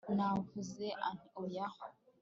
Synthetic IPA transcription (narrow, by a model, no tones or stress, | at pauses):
navuzeʔanojah